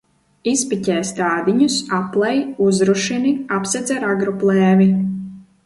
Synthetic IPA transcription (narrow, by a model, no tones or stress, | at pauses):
ispicʲɛːst̪aːd̪iɲusaplˠɛjuzɾuʃiniapsɛd̪zɛɾaɡɾɔplˠɛːvi